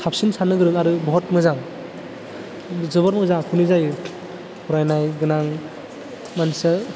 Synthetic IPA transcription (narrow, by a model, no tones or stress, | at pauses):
sʰap̚sinsanɯɡɯɾɯŋaɾɯbɔɦɔt̚mɯzaŋ | zɯβɔɾmɯzaŋkʰunizajɯ | huɾajnajɡɯnaŋ | mansa